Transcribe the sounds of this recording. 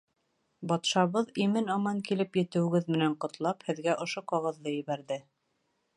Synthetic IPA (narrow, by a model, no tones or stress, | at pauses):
bɒt̪ʃɑβɤðimɘnɑmɑŋkilɘpjɘ̆t̪ɘ̆wɘ̆ɡɘðmɘ̆næɴqŏt̪lˠɑphɘ̆ðɡæʔŏʃoqɑʁɤ̆ðːɤjɘ̆βæɾðɘ